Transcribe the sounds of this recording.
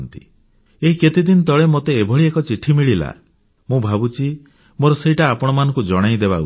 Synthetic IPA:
nt̪i | eɦiket̪id̪int̪ɔɭemot̪eːbʱɔɭiekɔt͡ʃiʈʰimiɭila̰ | mũbʱabut͡ʃi | moɾɔseɦiʈaːpɔɽ̃ɔmanɔ̃ŋkud͡ʒɔɽ̃ajd̪ebau

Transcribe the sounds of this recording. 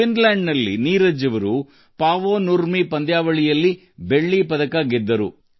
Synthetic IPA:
inlaːɳɖnɐlːḭniːɾɐd͡ʒɐʋɐɾu | paːʋoːnuɾmipɐnd̪jaːʋɐɭijɐlːi | beɭːipɐd̪ɐkaːɡɛd̪ːɐɾṵ

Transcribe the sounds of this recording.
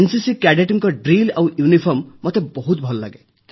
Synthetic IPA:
ensisikaɖeʈɔŋkɔɖɾilawjunipʰɔɾmːɔt̪ebɔɦut̪bʱɔlɔla̰ɡe

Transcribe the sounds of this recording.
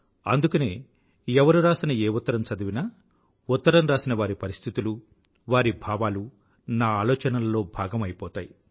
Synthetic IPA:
ɐ̰nd̪ukɐneː | ɛʋɐɾuɾaːsinɐeːut̪ːɐɾɐmt͡ʃɐd̪ɐʋinaː | ut̪ːɐɾɐmɾaːsinɐʋaːɾipɐɾist̪ʰit̪ulu | ʋaːɾibʱaːʋaːlu | naːaːlɔːt͡ʃɐnɐlɐlo̞ːbʱaːɡɐmɐjpɔːt̪aːji

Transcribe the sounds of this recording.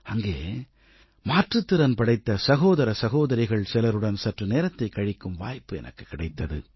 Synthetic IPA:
ɐŋɡeː | maːʈrɯt̪ːɯɾɐnpɐɽɐɪt̪ːɐsɐɣoːðɐɾɐsɐɣoːðɐɾɪɣɐɭsɪlɐɾɯɽɐnsɐʈrɯneːɾɐt̪ːɐɪkːɐɻɪkːɯmʋaːjpːɯɛ̰nʔɐ̰kːɯ̥kːɪɽɐɪt̪ːɐðɯ

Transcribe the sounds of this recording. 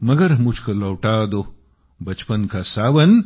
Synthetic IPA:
mɐɡɐɾmut͡ʃʰkɐlɐwʈaːd̪o | bɐt͡ʃpɐnkʰasaːʋɐn

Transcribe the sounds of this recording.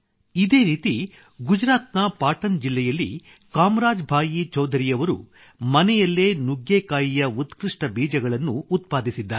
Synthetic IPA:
id̪e̞ːɾiːt̪i | ɡud͡ʒɾaːt̪nɐpaːʈɐnd͡ʒilːɛjɐlːḭ | kaːmɾaːd͡ʒbʱaːjit͡ʃɐwd̪ʱɐɾijɐʋɐɾṵ | mɐnɛjɐlːe̞ːnuɡjeːkaːjijɐut̪kɾiʂʈɐbiːd͡ʒɐɡɐɭɐnːuːt̪paːd̪isid̪ːaːɾe

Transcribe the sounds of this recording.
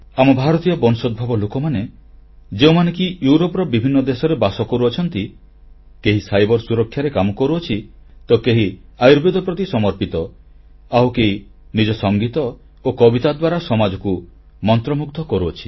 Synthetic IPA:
amɔbʱaɾɔt̪ijɔbɔnsɔd̪̚bʱabɔlokɔmane | d͡ʒeumanekijuɾopɔɾɔbibʱinːɔd̪esɔɾebasɔkɔɾuɔt͡ʃʰɔnt̪i | keɦisajbɔɾsuɾɔkʰːjaɾekamɔkɔɾuɔt͡ʃʰi | t̪ɔkeɦiajɾbed̪ʱɔpɾɔt̪isɔmɔɾpit̪ɔ | awkeɦi | nid͡ʒɔsɔŋɡit̪ɔ | okɔbit̪ad̪waɾasɔmad͡ʒɔku | mɔnt̪ɾɔmukd̪ʱɔkɔɾuɔt͡ʃʰi̥

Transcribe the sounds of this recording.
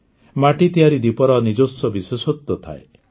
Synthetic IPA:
maʈit̪iɦaɾid̪ipɔɾɔnid͡ʒosɔbisesot̪ːɔt̪ʰa̰e

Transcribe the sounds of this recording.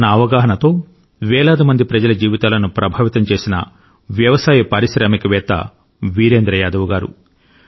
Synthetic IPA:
nɐːʋɐɡaːɦɐnɐt̪o̞ː | ʋɛːɭaːd̪imɐnd̪ipɾɐd͡ʒɐlɐd͡ʒiːʋit̪aːlɐnupɾɐbʱaːʋit̪ɐmt͡ʃe̞ːsinɐ̰ | ʋjɐʋɐsaːjɐpɐɾiʃɾɐːmikɐʋɛːt̪ːɐ̰ | ʋiːɾe̞ːnd̪ɾɐjaːd̪ɐʋuɡaːɾṵ

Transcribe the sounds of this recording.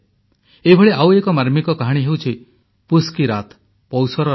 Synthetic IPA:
ebʱɔɭeʔawekɔmaɾmikɔkaɦaɽ̃iɦewt͡ʃʰi | puskiɾat̪ | pɔwsɔɾɔ

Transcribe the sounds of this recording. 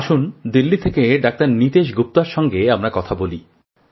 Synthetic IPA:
aʃund̪ilːit̪ʰekeɖak̚t̪aɾnit̪eʃ̬ɡup̚t̪aɾʃɔŋɡeamɾakɔt̪ʰaboli

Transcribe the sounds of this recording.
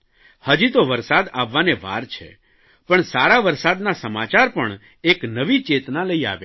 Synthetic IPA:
həd͡ʒit̪oʋəɾsad̪aʋːaneʋa̰ɾt͡ʃʰḛ | pəɳsaɾaʋəɾsad̪nasəmat͡ʃaɾpəɳ | eknəʋit͡ʃet̪naləia̰ʋja

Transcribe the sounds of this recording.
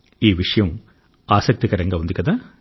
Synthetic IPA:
iːʋɪʂɐjɐm | aːsɐk̚t̪ikɐɾɐŋɡɐʋɐnd̪ɪkːɐðaː

